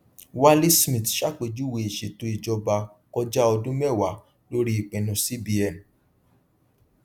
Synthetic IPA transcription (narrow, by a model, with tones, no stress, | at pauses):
wa˦li˦smĩ˨tʃa˦k͡pe˧˨d͡ʒu˦we˨e˨ʃe˨to˧˦i˨d͡ʒɔ˧ba˧ | kɔ˧d͡ʒa˦ɔ˧dũ˦mɛ˦˨wa˨˦ | lo˦ɾi˦i˨k͡pɛ̃˨nũ˧si˦bi˧ɛ˦˨n˨